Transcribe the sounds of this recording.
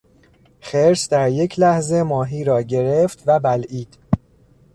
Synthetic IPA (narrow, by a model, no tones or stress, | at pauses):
xeɾsd̪æɾje̞cʰlæhze̞mɒːɦiːɾɒːɟe̞ɾe̞ft̪væbælʔiːd̪̥